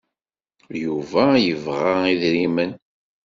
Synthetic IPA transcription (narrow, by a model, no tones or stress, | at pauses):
juvæjəvʁaiðɾimən